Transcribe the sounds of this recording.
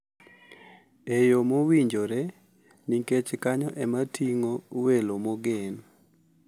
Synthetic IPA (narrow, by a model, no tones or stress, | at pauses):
ejomowiɲd͡ʒoɾe | niket͡ʃkaɲɔʔɛmatʰiŋowelomoɡen